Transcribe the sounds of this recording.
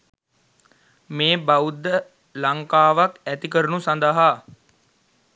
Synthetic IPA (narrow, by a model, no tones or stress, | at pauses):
meːbaud̪ːə | laŋkaːʋakæt̪ikəɾənusand̪əɦa